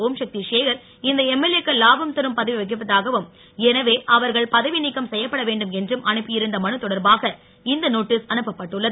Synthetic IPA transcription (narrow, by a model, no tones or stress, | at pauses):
oːmʂɐk̚t̪iʂeːɣɐɾ | ɪnd̪ɐɛmːɛlekːɐlaːbɐmt̪ɪɾɯmpɐðɐʋiʋɐɣɯpːɐðaːɣɐʋɯm | ɛnɐʋeːʔɐʋɐɾɣɐɭpɐðɐʋɪnɪkːɐmsɛjːɐpːɐɽɐʋeːɳɖɯmɛndrɯmʔɐɳɯpːɯjɪɾɯnd̪ɐmɐɳɯt̪ːɔɽɐɾbaːɣɐ | ɪnd̪ɐnoːʈːɪsɐnɯpːɐpːɐʈːɯɭːɐðɯ